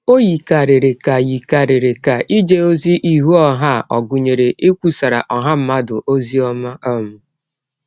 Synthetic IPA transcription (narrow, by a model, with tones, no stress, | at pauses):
o˦ji˨ka˨ɾe˨ɾe˨ka˨ji˨ka˨ɾe˨ɾe˨ka˨ʔi˦d͡ʒe˦o˦zi˦ʔi˦ɦu˦ɔ˦ɦa˦˨ʔɔ˨ɡʊ˨ɲe˨ɾe˨ʔe˦kʷu˦sa˨ɾa̰˨ʔɔ˨ɦa˦m̩˦ma˦dʊ˨ʔo˦zi˦ɔ˦ma˦ɔ˦mʊ˦